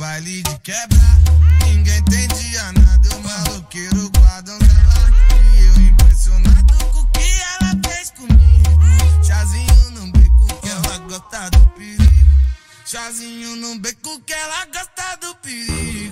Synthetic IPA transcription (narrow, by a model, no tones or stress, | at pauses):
valid͡ʒikɛbɾanĩɡẽj̃t̪ẽj̃d͡ʒiɐnad̪ɐmaokeɾʊɡwad̪ɐ̃w̃selɐ̃ewĩpɾesjonɐ̃d̪ʊkʊkeɛlɐfejskõmiɡʊʃazĩɲunɐ̃w̃bekʊ̃kɛlaɡɔst̪ad̪ʊpiɾid̪ʊ | ʃazĩɲunɐ̃w̃bekukɛlaɡɔst̪ad̪ʊpidid̪